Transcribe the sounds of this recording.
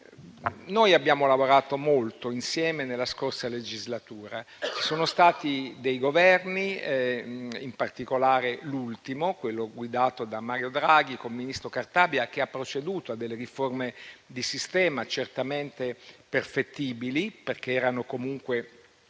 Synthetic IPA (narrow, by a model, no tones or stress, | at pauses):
nojabːjaːmolavoɾaːt̪omolt̪oinsjɛːmenelːaskorsaled͡ʒizlat̪uːɾa | soːnost̪aːt̪id̪ejɡovɛrni | impart̪ikolaːɾelult̪imokwelːoɡwid̪aːt̪od̪amaːɾjod̪ɾaɡ̟ikolminist̪ɾokart̪aːbjak̟eapːɾot͡ʃed̪uːt̪oad̪ːelːeriformed̪isist̪ɛːmat͡ʃert̪ament̪eperfet̪ːiːbiliperk̟eɛːɾanokomuŋkwe